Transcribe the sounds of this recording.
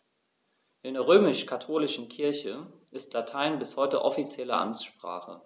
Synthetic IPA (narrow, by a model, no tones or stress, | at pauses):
ʔɪndeːɐʁ̞øːmɪʃkʰatʰoːlɪʃn̩kʰɪɐçəʔɪstlatʰaɪnbɪshɔʏtə̰ʔɔfit͡sjɛlə̰ʔa̰mt͡sʃpʁ̥a̰ːχə̰